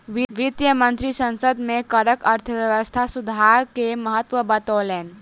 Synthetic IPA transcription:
ʋiʋit̪jəmə̃nt̪ɾisə̃nsəd̪mẽkəɾəkəɐɾt̪ʰəʋjəʋəst̪ʰasud̪ʱaɾkeməɦət̪ʋəbət̪oːleːn

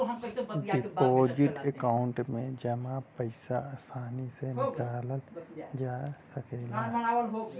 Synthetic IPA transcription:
ɦippoːd͡ʒiʈekaʊɳʈmẽd͡ʒəmãpəɪsasaːnisenɪkaːləld͡ʒasəkelaənawəlɦo

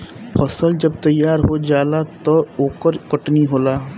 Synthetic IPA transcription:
fɔsəld͡ʒɐb̚t̪ɐjːaːɾɦod͡ʒaːlat̪ɔoːkəɾkɐʈniɦoːlaː

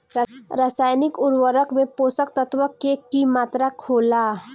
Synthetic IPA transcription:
ɾaːsaːjnɪkʊɾwəɾəkmẽpoːsəkt̪ət̪ʋəkːekimaːt̪ɾakʰoːlaː

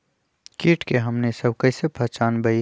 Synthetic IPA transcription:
kiːʈkeɦɐmnesɐbkɐɪsepʰɐt͡ʃaːnbɐi

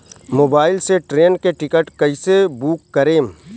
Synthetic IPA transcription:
moːbaːɪlseʈɾeːnkeʈɪkəʈkɐisebuːkːəɾeːm

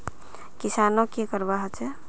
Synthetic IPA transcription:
kisanokekəɾbaɦət͡ʃʰɛ

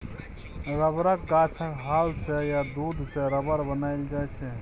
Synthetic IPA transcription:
ɾəbɾəkːat͡ʃʰəkɦalsejad̪ud̪ʱseɾəbəɾbənaɪld͡ʒajt͡ʃʰɛ

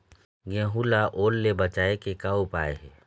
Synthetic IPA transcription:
ɡẽːɦulaʔoːlːebət͡ʃaːekekaːupaːḛɦɛː

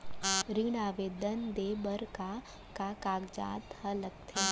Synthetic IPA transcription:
ɾiɽaːʋeːd̪ənd̪eːbəɾka | kakaːɡd͡ʒa̰ːt̪hɐləɡt̪ʰeː

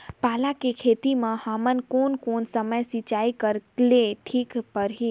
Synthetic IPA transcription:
paːlakekʰet̪imãhamənkoːnkoːnsəməjsit͡ʃaːikəɾkleʈʰiːkpəɾɦiː

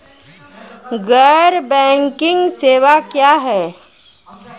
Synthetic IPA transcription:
ɡəɾbɛ̃ːŋkɪ̃ŋɡseːʋakjaːɦɛː

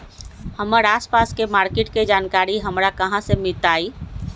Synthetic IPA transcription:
həməɾaːspaskemaɾkeʈked͡ʒankaɾiɦəmɾakəɦãsemit̪ai

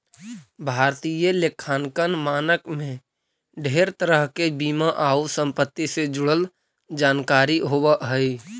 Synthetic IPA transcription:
bʱaːɾt̪ijəlekʰaːnkənmaːnəkmẽ | ɖʱeːɾt̪əɾəɦkebiːmaʔaːusə̃mpət̪ːised͡ʒʊɽəl | d͡ʒaːnkaːɾiɦoːwəɦəi

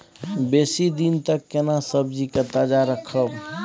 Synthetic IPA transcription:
besid̪int̪əkːenasəbd͡ʒiket̪əd͡ʒaɾəkʰəb

